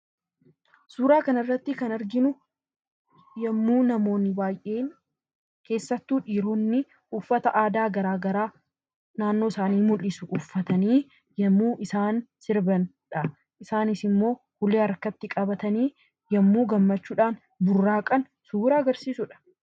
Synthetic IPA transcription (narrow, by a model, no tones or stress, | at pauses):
suːɾaːkɐnɐrːɐt̪ːɪkɐnɐɾɡɪnʊ | jɐmːuːnɐmo̞ːnːɪbaːjʔe̞ːn | ke̞ːsːɐt̪ːuːᶑiːɾoːnːɪ | ʊfːɐt̪ɐʔaːd̪aːɡɐɾaːɡɐɾaː | naːnːoːsaːniːmʊlɪsʊʔʊfːɐt̪ɐniː | jɐmːuːʔɪsaːnsɪɾbɐn | ᶑɐ | ʔɪsaːnɪsɪmːo̞ː | hʊleːɐɾkɐt̪ːɪkʼɐbɐt̪ɐniː | jɐmːuːɡɐmːɐt͡ʃːuːᶑaːn | bʊrːaːkʼɐn | suːɾaɐɡɐɾsiːsʊᶑɐ̥